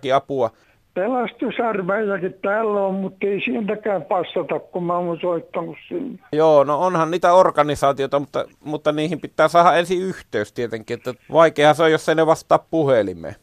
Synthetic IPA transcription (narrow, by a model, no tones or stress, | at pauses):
kiɑpuɑ | pelɑst̪usɑrʋæjːækit̪t̪æːlːæommut̪ːeisielt̪ækæːmpɑst̪ɑt̪ɑkkummæonsoit̪ːɑnussilːe̥joːnoonhɑnniːt̪æorkɑnisɑːt̪ioˑt̪ɑmut̪ːɑ̰ | mut̪ːɑniːhimpit̪ːˑæːsɑːhɑʔʔensiyht̪ˑeˑyst̪iet̪eŋkˑiːʔet̪ːæʋɑˑikˑeˑːhɑseojosːeˑineʋɑst̪ˑɑːppuhelimˑḛ